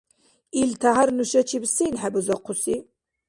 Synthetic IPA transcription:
iltʰɐɦarnuʃɐt͡ʃʰibsiːnħabɨzɐqʷʰʊsiː

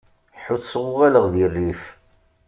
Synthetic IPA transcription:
ħuθsˤwʊwæləʁðirːif

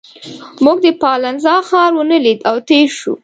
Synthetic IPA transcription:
muɡ̚d̪əpɑlanzɑxɑɾwənəlid̪awt̪eʃṵ

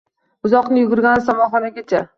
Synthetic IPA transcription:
ʊzɒqnɪjʊɡʲʊɾɡʲansamɒχɒnaɡʲat͡ʃʰa

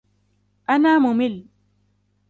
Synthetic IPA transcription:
ʔanaːmʊmɪl

